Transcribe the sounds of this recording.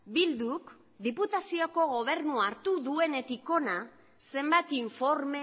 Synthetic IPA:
bild̪uk | d̪iput̪asio̞ko̞ɣo̞β̞e̞ɾnuaɾt̪uðue̞ne̞t̪iko̞na | se̞mbajt̪iɱfo̞ɾme

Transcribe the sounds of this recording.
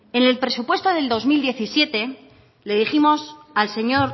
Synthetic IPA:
e̞ne̞lpɾe̞supwe̞st̪o̞ðe̞ld̪o̞zmild̪je̞θisjet̪e̞ | le̞ðiximo̞salse̞ɲo̞ɾ

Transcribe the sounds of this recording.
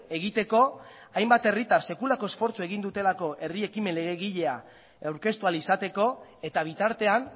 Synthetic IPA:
e̞ɣit̪e̞ko̞ | ajmbat̪e̞rit̪arse̞kulako̞e̞sfo̞ɾt͡sueɣ̞ind̪ut̪e̞lako̞ʔe̞rie̞kime̞nle̞ɣ̞e̞ɣ̞iʎe̞a | awɾke̞st̪ualisat̪e̞ko̞e̞t̪aβ̞it̪aɾt̪e̞an

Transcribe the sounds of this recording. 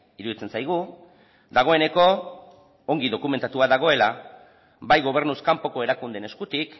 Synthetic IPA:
iɾuðit͡se̞nsajɣu | d̪aɣ̞o̞e̞ne̞ko̞ | oŋɡiðo̞kume̞nt̪at̪uaðaɣ̞o̞e̞la | bajɣo̞β̞e̞ɾnuskampo̞ko̞e̞ɾakund̪e̞ne̞skut̪ik

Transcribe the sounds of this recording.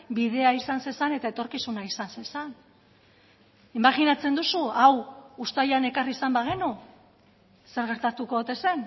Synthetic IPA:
biðe̞aisansensane̞t̪ae̞t̪o̞ɾkisunaisansensan | imaɣinat͡se̞nd̪usuawust̪ajane̞karisambaɣ̞enu | se̞ɾɣ̞e̞ɾt̪at̪ukoot̪e̞se̞n

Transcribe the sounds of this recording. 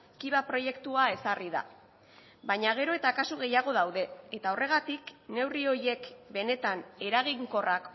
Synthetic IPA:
kiβapɾo̞je̞kt̪uae̞sariða̰ | bajɲaɣ̞e̞ɾoe̞t̪aːkasuɣ̞e̞jaɣ̞o̞ðawðe̞et̪ao̞re̞ɣ̞at̪ikne̞wrio̞je̞kbe̞ne̞t̪ane̞ɾaɣ̞iŋko̞rak

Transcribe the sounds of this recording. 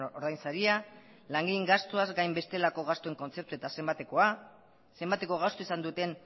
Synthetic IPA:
oɾðajnsaɾia | laŋɡiŋɡast̪oazɡajmbe̞st̪e̞lako̞ɣ̞ast̪oe̞ŋko̞nt͡se̞p̚t̪ue̞t̪asembat̪eko̞a | se̞mbat̪e̞ko̞ɣ̞ast̪oisand̪ut̪e̞n

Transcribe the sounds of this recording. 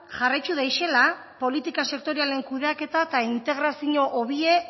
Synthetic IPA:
ʝarajt͡ʃuðajʃe̞la | po̞lit̪ikase̞k̚t̪o̞ɾiale̞ŋkuðeake̞t̪at̪aint̪e̞ɣɾasiɲo̞ʔoβie̞

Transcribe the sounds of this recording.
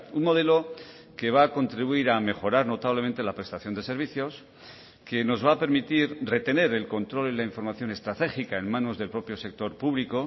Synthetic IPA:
unmo̞ð̞e̞lo̞ | ke̞β̞aːko̞nt̪ɾiβuiɾame̞xo̞ɾaɾno̞t̪aβ̞lement̪e̞lapɾe̞st̪aθjond̪e̞se̞ɾβ̞iθjo̞s | ke̞no̞zβaːpe̞ɾmit̪iɾre̞t̪e̞ne̞ɾe̞lko̞nt̪ɾo̞lilaiɱfo̞ɾmaθjo̞ne̞st̪ɾat̪e̞xikae̞nmãno̞zðe̞lpɾo̞pjo̞se̞k̚t̪o̞ɾpuβliko̞

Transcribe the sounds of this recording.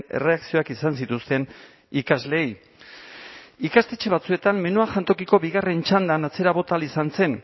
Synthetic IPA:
ne̞̰re̞aksio̞akisans̬it̪ust̪e̞n | ikazle̞ːj | ikast̪e̞t͡ʃe̞β̞at͡sue̞t̪amme̞nuaʝant̪o̞kiko̞βiɣare̞nt͡ʃand̪anat͡se̞ɾaβo̞t̪alisanse̞n

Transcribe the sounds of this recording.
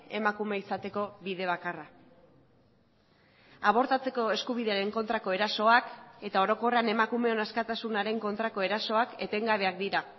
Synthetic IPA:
e̞makume̞isat̪e̞ko̞βiðe̞β̞akara | aβ̞o̞ɾt̪at͡se̞ko̞e̞skuβ̞iðe̞aɾe̞ŋko̞nt̪ɾako̞e̞ɾaso̞ake̞t̪ao̞ɾo̞ko̞reane̞makume̞o̞naskat̪asunaɾe̞ŋko̞nt̪ɾako̞e̞ɾaso̞ake̞t̪e̞ŋɡaβe̞akd̪iɾa

